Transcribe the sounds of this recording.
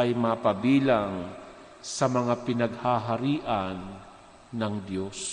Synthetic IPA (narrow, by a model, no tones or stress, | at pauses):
ɐjmaːpɐbiːlaŋ | sɐmɐŋapɪnɐɡhaɦaɾiːʔanː | ɐŋd̪jos